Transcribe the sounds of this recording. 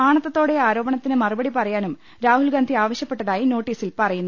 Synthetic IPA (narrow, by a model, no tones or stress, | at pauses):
aːɳɐt̪ːɐt̪ːo̞ːɽe̞aːɾo̞ːbɐɳɐt̪ːinɨmɐrubɐɽipɐrɐjaːnum | ɾaːhulɡand̪ʱiaːʋɐɕjɐpːe̞ʈːɐðaːjino̞ːʈːiːsilpɐrɐjunː